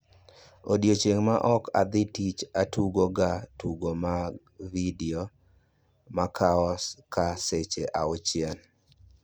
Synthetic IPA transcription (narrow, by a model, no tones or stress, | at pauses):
odjot͡ʃeŋmaʔɔka̰d̪ɪtit͡ʃatuɡoɡatuɡoma | vidio | makʰaɔskaset͡ʃeʔaɔt͡ʃjan